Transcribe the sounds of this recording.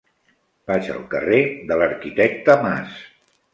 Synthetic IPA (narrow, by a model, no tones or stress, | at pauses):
b̥aʒə̰lˠkə̰reðələɾkit̪ɛk̚t̪əma̰s